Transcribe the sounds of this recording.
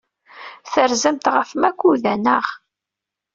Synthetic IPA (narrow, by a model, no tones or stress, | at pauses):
θəɾzəmt̪ʁəfmækʷːuðænəʁ